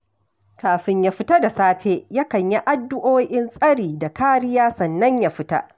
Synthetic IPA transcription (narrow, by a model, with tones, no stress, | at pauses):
kaː˨ɸɪ˨ɲjaː˦ɸɪ˦ta˦da˨saː˦ɸeː˦ja˦kɐ˨ɲji˦ʔa˦dːʊ˦ʔoː˦ʔɪ˦nsʼɐ˦ɽiː˨da˨kaː˦ɽɪ˦jaː˦sɐ˨nːɐ˦ɲja˦˨ɸɪ˦ta̰˦ʔ